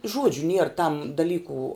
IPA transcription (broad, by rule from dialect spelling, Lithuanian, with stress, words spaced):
ˈʒuɔd͡ʒʲʊ nʲiɛr tɐm dɐˈlʲiːkʊ